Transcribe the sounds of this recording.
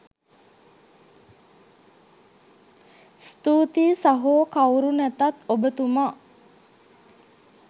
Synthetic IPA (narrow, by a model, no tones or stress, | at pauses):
st̪uːt̪iːsaɦoːkawɾunæt̪at̪obət̪uma